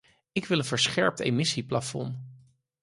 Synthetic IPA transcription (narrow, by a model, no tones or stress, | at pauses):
ɪkʋɪlənvəɹsχɛɹp̚tḛmɪsiplafɔ̰n